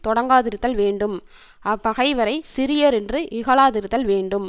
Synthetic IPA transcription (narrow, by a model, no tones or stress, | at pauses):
t̪ɔɽɐŋɡaːðɪɾɯt̪ːɐlʋeːɳɖɯm | ɐpːɐɣɐɪʋɐɾɐɪsɪɾɪjɐɾɛndrɯʔɪɣɐɭaːðɪɾɯt̪ːɐlʋeːɳɖɯm